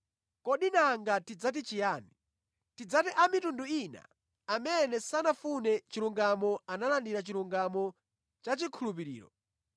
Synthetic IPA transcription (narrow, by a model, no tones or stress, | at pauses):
kɔɗinaŋɡatid͡zat̬it͡ʃijaːni | tid͡zatiʔamitunduina̰ː | mɛnɛsanafunɛt͡ʃiluŋɡamɔanalandiɾat͡ʃiluŋɡamɔ | t͡ʃat͡ʃikʰulup̬iɾḭːɾɔ̰